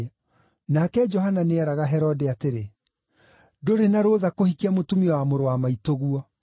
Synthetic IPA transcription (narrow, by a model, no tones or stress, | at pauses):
nakɛd͡ʒɔɦananeɛɾaɣaɦɛɾɔdeateɾe | doɾenaɾoðakohikiamotumiɔwamoɾowamaitoɣuɔ